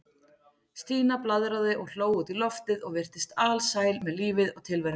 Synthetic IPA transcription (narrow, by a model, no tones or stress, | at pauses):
st̪iːnaplaðɾaðɪʔɔɣl̥oːwʏt̪ilɔft̪ɪðɔɣvɪr̥t̪ɪst̪alsaːjlmɛðliːvɪðɔɣt̪ʰɪlvɛɾ